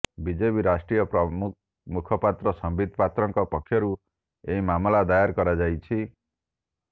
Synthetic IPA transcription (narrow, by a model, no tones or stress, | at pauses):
bid͡ʒebiɾasʈɾijɔpɾɔm | mukʰɔpat̪ɾɔsɔmbid̪̚ʱpat̪ɾɔŋkɔpɔkʰːjɔɾu | eɦimamlad̪ajaɾkɔɾad͡ʒajt͡ʃʰi